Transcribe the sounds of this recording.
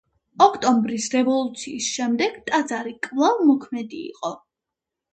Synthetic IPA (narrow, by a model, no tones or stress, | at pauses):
ɔkʰt̪ʼɔmbɾisɾɛvɔlˠut̪sʰiːsʃɛmd̪ɛɡ̥t̪ʼad̪zaɾikʼvlˠavmɔkʰmɛd̪ḭːqʼɔ